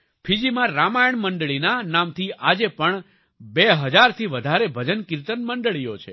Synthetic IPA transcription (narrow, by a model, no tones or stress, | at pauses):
pʰid͡ʒimãɾamajəɳməɳɖɭinanamt̪ʰiad͡ʒepəɳ | beɦəd͡ʒaɾt̪ʰiʋəd̪ʱaɾebʱəd͡ʒənkɪɾt̪ənməɳɖɭijot͡ʃʰḛ